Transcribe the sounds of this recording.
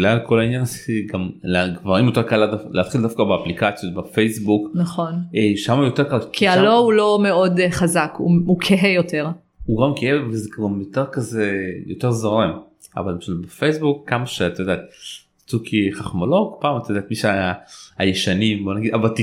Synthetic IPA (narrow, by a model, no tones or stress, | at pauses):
lalkʰo̞lainjansɡamlaɡvaʁimjo̞t̪e̞ʁkaladalʔeat̪χild̪afkabeaplikat͡sijo̞t̪̚befejsbuknaχonʃamajot̪ekalkialoulo̞meo̞dχazakṵukʰeɦejot̪eʁ | uɡamkeevvezeɡɡamjot̪e̞ʁkazejot̪e̞ʁzoʁem | a̰valbeʃubefejsbukːamaʃeat̪ajod̪aːt̪̚ | t͡sukiχaχmolokɡpaːmat̪ajdaːt̪miʃeaajeʃanimbo̞naɡid̪avalt̪i